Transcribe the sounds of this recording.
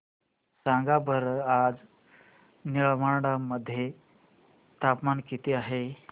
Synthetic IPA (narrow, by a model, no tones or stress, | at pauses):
saŋɡabʱəɾad͡z | niɭmaɽaməd̪ʱːje | t̪apmankit̪eaɦe